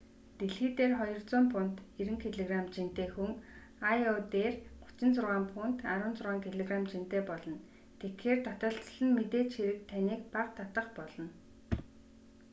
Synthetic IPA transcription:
t̪eɮxiːt̪eːrχɔjɞ̆rt͡sʊːmpʰʊn̥t̪eɾɘ̆ŋt̪ʰeɮeɣramt͡ɕint̪eːxuŋ | ajɔt̪eːrɢʊ̥t͡ɕɪ̆nt͡sʊrʁaːmpʰʊːn̥t̪aɾʊːnt͡sʊrʁaːŋt̪ʰeɮeɣramt͡ɕint̪eːpɔɮɞ̆n | t̪ʰekxeːrt̪ʰɔt̪ə̆ɬt̪̆ɮɘ̆nmet̪eːt͡ɕxiɾɘ̆k̚t̪ʰaniːk̚paqt̪ʰat̪ə̆χpɔɮɞ̆n

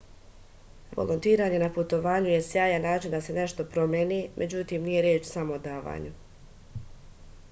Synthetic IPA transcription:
ʋo̰lʔont̪iːɾaːɲe̞naput̪o̞ʋaːɲuje̞sjaːjanaːt͡ʃind̪ase̞ne̞ʃt̪o̞pɾo̞mjenimʔe̞d͡ʑut̪imnije̞ɾjeːt͡ʃsamo̞od̪aːʋa̰ːɲu

